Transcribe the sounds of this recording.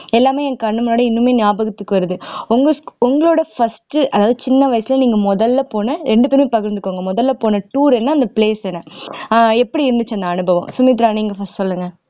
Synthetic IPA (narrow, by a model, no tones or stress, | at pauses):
ɛlːaːmeːɛnɐkːɐɳːɯmʊnoːɽɐɪnːɯmeːnɪjaːbɐɣɐt̪ːɯkːɯʋɐɾɯðɯʊŋɡɐʊŋɡɐɭoːɽɐfɐsʈɯɐðaːʋɐðɯt͡ʃɪnːɐʋɐjɐsɪlɐniːŋɡɐmɔðɐlːɐpoːnɐɾɛɳɖɯpeːɾmeːpɐɣɐɾnd̪ɯkːoːŋɡɐmɔðɐlːɐpoːnɐʈuːɾɛnːaːnd̪ɐpɪɭeːsɛnːɐ | ɛpːɐɽiɪɾɯnd̪ɯt͡ʃːɐnd̪ɐɐnɯbɐʋɐ̰̃msʊmiːt̪̬ɪɾaːniːŋɡɐfɐsʈsɔlːɯŋɡɐ